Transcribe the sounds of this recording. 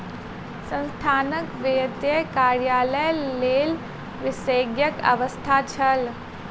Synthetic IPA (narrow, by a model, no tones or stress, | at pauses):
sə̃nst̪ʰaːnəkʋejt̪jəkaːɾjaːləjleːl | ʋɪsəːɡjəkɐ̰ʋəst̪ʰaːt͡ʃʰɐl